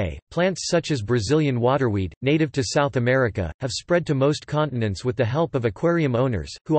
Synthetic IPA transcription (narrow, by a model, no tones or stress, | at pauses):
ɪpʰl̥æ̃ntsʌt͡ʃɨzbɹɨzɪlˠjɨ̃nwɔɾə˞widⁿneɪɾɨv̥tʰɨsaʊθɨmɛɹɨkɨ̰ɨv̥spɹɛd̚tʰɨmoʊskʰɑ̃nʔn̩ɨ̃nswɨðɨɦɛlˠpʌvɨkʰw̥ɛɹiɨ̃mõʊ̃nə̰˞z̥hu